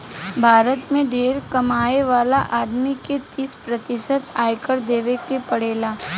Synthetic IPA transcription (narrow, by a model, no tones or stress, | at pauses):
bʱaːɾət̪mẽɖʱeːɾkɐmaːeʋaːlaʔaːd̪miket̪ɪspɾət̪ɪsət̪aːjkəɾd̪eːʋekepɐɽeːlaː